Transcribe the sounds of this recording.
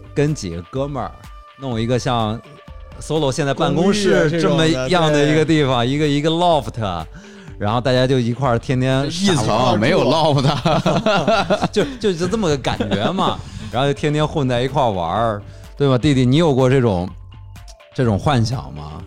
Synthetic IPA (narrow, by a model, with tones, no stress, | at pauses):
kə˥nt͡ɕḭ˨˩ɡə˦kɤ˥mə̰˞˨˩˦ | n˥˩ŋi˧˥ɡə˧ɕjɑ˥˧ŋ | swɔ˧˥lo˨˩ʊɕjnt͡sa˥˧ɪa˥˩nkʊ˥ŋʂɻ̩˥˧ʈ͡ʂə˥˩mə˩˧˥jɑ˥˩ŋd̪ə˩i˧˥ɡə˧t̪̬i˥˩fɑ˩ŋi˧˥ɡə˧i˧˥ɡə˧lɔ˥˩ft̪ʰə̰˧˩ | ɻa˧˥nxo˥˧ʊt̪a˥˧˩t͡ɕja˥t͡ɕjo˥˩ʊi˧˥kʰwa˥˩t̪ʰjɛ˥nt̪ʰjɛ˥nʰ˥˧˩ŋme˧˥ɪjo˨˩ʊlɑ˥˩ʊft̪ʰə˩ | t͡ɕjo˥˧ʊt͡ɕjo˥˧t͡ɕnə˥˩mə˩ka̰˨˩nt͡ɕɛ˧˥nmɐ˧˨ɻa˧˥˧t͡ɕo˥˩jɛ˥nt̪ʰjɛ˥nxwə˥˧nt͡sa˥˩ɪi˧˥kʰwa˥˩wɐ̰˧˥ | t̪we˥˩ɪmɐ˨˩t̪i˥˧t̪i˥˩ni˧˥jo˨˩ʊkwɔ˥˧ʈ͡ʂɤ˥˩ʈ͡ʂʊ̰˨˩˦ŋ | ʈ͡ʂɤ˥˩ʈ͡ʂʊ˨˩ŋxwa˥˧nɕjɑ̰˨˩˦ŋmɐ̰˦